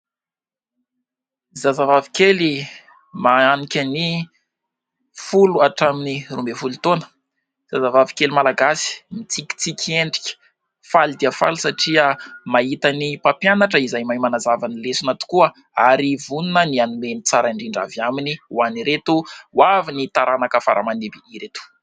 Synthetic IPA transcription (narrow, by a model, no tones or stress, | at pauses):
zazavavikeli | maanikʲani | fuluaʈ͡ʂaminirumbefulut̪onə̥ | z̥azavavi̥kelimalaɡasi̥mit͡sikʲi̥t͡sikʲʰieɳɖ͡ʐi̥kʲə̥ | falid̪iafa̰lusaʈ͡ʂiəmaɦit̪anipapjanaʈ͡ʂəizajmajmanazavanilesunat̪u̥kuə | aɾivununənianumenit͡saɾaiɳɖ͡ʐiɳɖ͡ʐa̰vaminiwaniɾet̪uwavinit̪aɾanakafaɾa̰manebiiɾet̪u̥